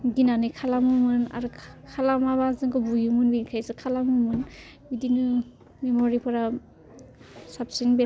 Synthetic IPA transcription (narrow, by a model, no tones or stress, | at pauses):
ɡinanɯjkʰalamɯmɯna̰ɾɯkʰalamabazɯŋkɯbujumunbinkʰajzɯkʰalamumɯn | bidinɯ | memoɾipʰɔɾa | sap̚sinbe